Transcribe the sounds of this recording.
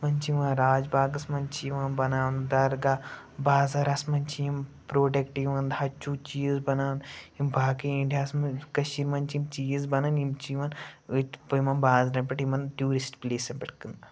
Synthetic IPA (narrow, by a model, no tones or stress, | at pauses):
mɐnt͡ʃiʋãːnɾaːd͡ʒbaːɡɐsmɐnt͡ʃiʋaːnbɐnaːʋnd̪ɐɾɡaː | baːzɐɾɐsmɐnt͡ʃijimpɾoːʈekʈiʋɐnd̪ɦɐt͡ʃuːt͡ʃiːzbɐnaːʋnimbʱaːkiĩɳɖʰʱʲjaːsmɐkɐʃiɾmɐnt͡ʃimt͡ʃiːzbɐnɐnimt͡ʃiʋɐn | pɐjmɐnbaːznɐpɐʈimɐnʈjuːɾisʈpleːsɐmpʲɐʈʰkɨnd̪